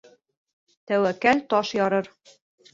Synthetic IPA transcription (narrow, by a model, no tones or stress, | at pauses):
t̪æwækælt̪ɒʃjɒɾɤɾ